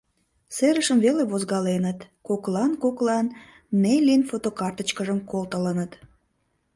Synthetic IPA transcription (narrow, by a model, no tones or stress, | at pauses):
seɾəʃəmveleβozɣɑlenət̪ | koklɑnkoklɑn | melʲinfot̪okɑrt̪ət͡ɕkəʒəmkolt̪ələnət̪